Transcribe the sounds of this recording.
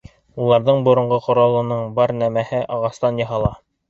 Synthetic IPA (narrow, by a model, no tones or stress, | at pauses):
ulˠɑɾðɤɴbŏɾŏɴʁɤqŏɾɑlˠɤ̆nɤɴbɑɾnæmæhɘʔɑʁɑst̪ɑnjɑ̆ɦɑlˠɑ